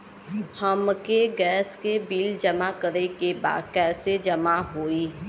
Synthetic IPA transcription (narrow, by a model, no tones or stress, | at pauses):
həmkeɡɛːskebiːld͡ʒəmakəɾekeba̰ːd̪̚kɛːsed͡ʒəmaɦoːiː